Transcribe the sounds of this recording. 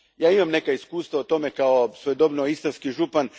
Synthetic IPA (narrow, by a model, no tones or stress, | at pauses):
jaːimamnekaiskuːst̪ʋaot̪o̞mekaosʋojd̪obnoist̪anskiʒupan